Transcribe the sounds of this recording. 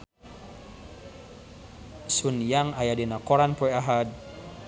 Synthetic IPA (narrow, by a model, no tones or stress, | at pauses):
sunjaŋajadinakoɾanpɔɛaɦad̪̚